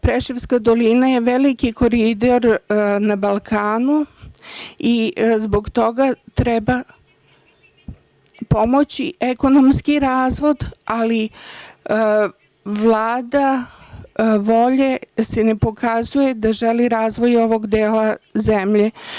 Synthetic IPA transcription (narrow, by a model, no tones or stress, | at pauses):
pɾeʃeʋskad̪o̞linajeʋelikiko̞ɾid̪o̞ɾnabalˠkʰaːnu | izbo̞ɡt̪o̞ɡat̪ɾɛba | po̞mo̞t͡ɕieko̞nomskiɾaːzʋo̞d̪ali | ʋlˠaːd̪a | ʋo̞ʎesenepo̞kʰazuje̞d̪aʒeliɾaːzʋo̞jo̞ʋo̞ɡd̪eːlazemʎe̞